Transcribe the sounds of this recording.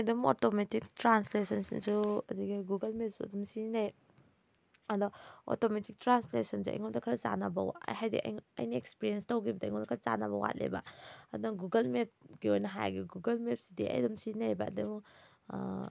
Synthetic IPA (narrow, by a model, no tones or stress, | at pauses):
jdumo̰tometik̚tɾanslesɐnsḭnsuɐdiɡiɡuɡɐlmep̚suɐ̰dumsinaj | adɔo̰tometik̚tɾanslesɐnsuɐ̰jŋɔdɐkʰaɾaza̰nabɐwhajdḭʔɐ̰jɐ̰jniekspiɾienstowɡibɐda̰jŋɔdɐkʰaɾza̰naβɐwa̰t̚lḛba̰ɐdunaɡuɡɐlmep̚ɡiojnɐɦaj̰ɡiɡuɡɐlmepsidḭɐ̰jdumsinajbadum